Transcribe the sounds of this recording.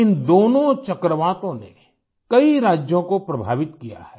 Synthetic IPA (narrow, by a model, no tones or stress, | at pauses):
ɪnd̪oːnõt͡ʃɐkɾəʋaːt̪õnḛ | kɐiɾaːd͡ʒjõkopɾɐbʱa̰ːʋɪt̪kija̰hɛː